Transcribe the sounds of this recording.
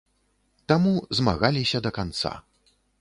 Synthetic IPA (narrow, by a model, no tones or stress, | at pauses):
t̪amuzma̰ɣalʲisʲɐd̪ɐkant̪sa̰